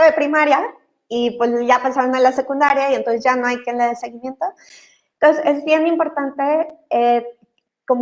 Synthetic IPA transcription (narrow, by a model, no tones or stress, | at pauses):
oðepɾimaɾja | ipwesʝapasaɾonalase̞kund̪aɾjaient̪onse̞zʝano̞ajkjenleðelse̞ɣimje̞nt̪o | ent̪onsesezβje̞nimpo̞ɾt̪ant̪e̞e | ko̞m